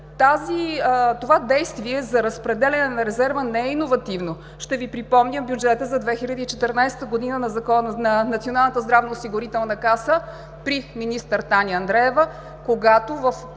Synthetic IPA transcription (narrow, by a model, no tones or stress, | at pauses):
t̪azit̪ovad̪ɛjst̪viɛzɐɾəspɾɛd̪ɛlʲɛnɛnɐɾɛzɛɾvənɛɛinovɐt̪ivno | ʃt̪ɛvipɾipɔmnʲəmbjud͡ʒɛt̪əzɐd̪vɛxilʲəd̪iːt͡ʃɛt̪ɛɾnajsɛ̥t̪əɡod̪inənɐzɐkɔnnɐnɐt̪sionalˠnət̪əzd̪ɾavnəosiɡʊɾit̪ɛlˠnɐkasə | pɾiminist̪əɾt̪anʲiɐnd̪ɾɛɛvə | koɡat̪ovəf